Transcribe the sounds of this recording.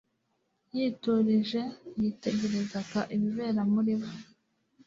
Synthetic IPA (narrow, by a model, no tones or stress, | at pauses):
jiːtuɾiʒe̞jite̞ɟe̞ɾe̞zakaʔiβiβe̞ːɾamuɾiβo